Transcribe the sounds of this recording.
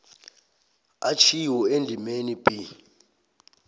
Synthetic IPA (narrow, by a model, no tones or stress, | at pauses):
at͡ʃʰiwɔend͡ɮʱimenib̥ʱi